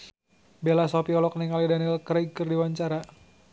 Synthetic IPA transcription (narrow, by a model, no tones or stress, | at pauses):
belasɔpiɔlɔk̚niŋalidanilkɾakɨrdiwaɲt͡ʃaɾa